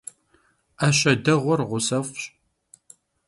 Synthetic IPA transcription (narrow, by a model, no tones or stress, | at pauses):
aɕɐdɐʁʷɔrʁʷʊsɐfɕ